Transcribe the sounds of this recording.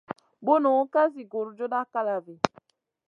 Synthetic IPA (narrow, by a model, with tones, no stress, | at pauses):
bo˦no˨˦ka˦zi˨ɡo˨ɾu˨d͡ʒo˦da˦ka˦la˨ve˨